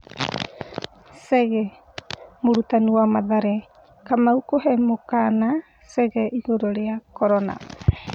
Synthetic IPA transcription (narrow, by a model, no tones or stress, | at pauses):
seɡe | muɾutanuamaðaɾe | kamaukoɦemokana | seɡeʔiɡoɾoɾeakoɾona̰